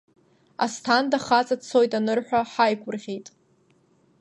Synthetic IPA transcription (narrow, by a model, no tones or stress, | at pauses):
a̰stʰandaχat͡sʼat͡sʰo̞jtʼanɨrħʷᶣaħajkʷʼʊrʁʲejtʼ